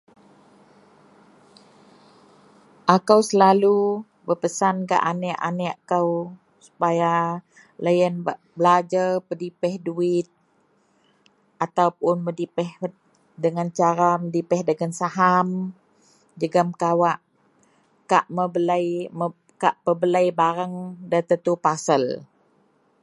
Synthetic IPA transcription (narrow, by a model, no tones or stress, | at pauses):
ʔakəwsəlalu | bərpəsanka̰ʔanɛʔa̰nɛʔakaw | su̥paja | lajənb | bəlad͡ʒarpədipɛhduɪt̪̚ | at̪awpʊnmədipɛh | dəŋant͡ʃaɾamədipɛhdəŋansaɦam | d͡ʒəɡəmkawaʔ | kaʔməbəlajmə | kaʔpəbələjbaɾəŋdat̪ət̪upasəl